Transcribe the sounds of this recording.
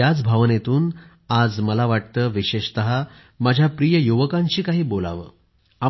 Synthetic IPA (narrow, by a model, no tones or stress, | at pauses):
ad͡zbʱaʋnet̪uːn | ad͡zməlaʋaʈ̚t̪əːʋiɕeɕt̪əɦa | mad͡ʑʱjapɾijəjuʋəkãɲt͡ɕiːkaɦiːbola̰ʋə̰ː | a